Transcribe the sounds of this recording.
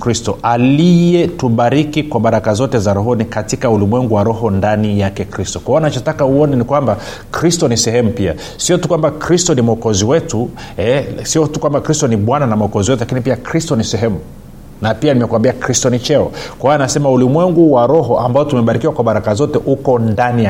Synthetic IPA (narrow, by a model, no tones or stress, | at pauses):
kɾistɔʔalijɛtuɓaɾikikwaɓaɾakazɔtɛzaɾɔɦɔnikatikaulimwɛŋɡuwaɾɔɦɔndanijakɛkɾistɔkwaɔnat͡ʃɔtakauɔnɛnikwamba | kɾistɔnisɛhɛmupia̰ | siɔtukwambakɾistɔnimɔkɔziwɛtu | ɛsiɔtukwambakɾistɔniɓwananamɔkɔziwɛt̬ulakinipiakɾistɔnisɛɦɛmu | napianimɛkwambiakɾistɔnit͡ʃɛɔkwawanasɛmaulimwɛŋɡuwaɾɔɦɔʔambaɔtumɛɓaɾikiwakwaɓaɾakazɔtɛʔukɔndani